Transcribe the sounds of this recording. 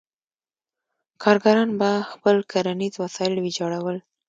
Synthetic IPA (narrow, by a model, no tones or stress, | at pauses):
kʰɑɾɡaɾɑnbaxpəlkaɾanizwasɑɪlwed͡ʒɑɽawəl